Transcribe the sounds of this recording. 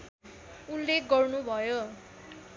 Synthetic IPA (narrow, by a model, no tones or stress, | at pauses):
ulːek̚ʰɡʌrnubʱʌjo